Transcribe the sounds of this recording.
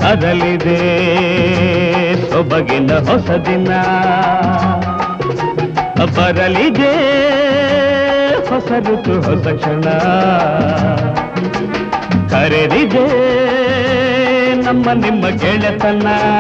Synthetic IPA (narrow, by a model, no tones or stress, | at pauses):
ɐɾɐlid̪e | sɔbɐɡind̪ɐɦɔsɐd̪inːɐ | bɐɾɐlid̪e | hɔsɐɾut̪uɦɔsɐkʂɐɳɐ | kɐɾeɾid̪e | nɐmːɐnimːɐɡeɭɐt̪ɐnːɐ